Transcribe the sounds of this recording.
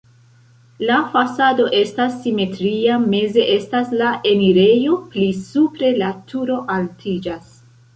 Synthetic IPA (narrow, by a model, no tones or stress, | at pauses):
lafasado̞ʔe̞stasːime̞tɾiame̞ze̞ʔe̞staslaʔe̞niɾe̞jo̞plisupɾe̞latʰuɾo̞ʔaltʰid͡ʒas